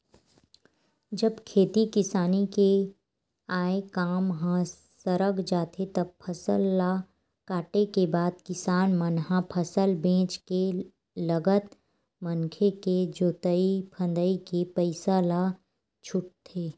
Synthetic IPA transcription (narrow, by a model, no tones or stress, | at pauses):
d͡ʒəbkʰeːt̪ikɪsaːnike | aːekaːmɦã | səɾəɡd͡ʒaːt̪ʰet̪ɐb̚pʰɐsəlːa | kaːʈekebaːd̪̚kɪsaːnmənɦapʰəsəlbẽːt͡ʃke | ləɡət̪ | mənkʰeked͡ʒoːt̪əipʰə̃nd̪əikipəɪsala | t͡ʃʰʊʈ̚t̪ʰeː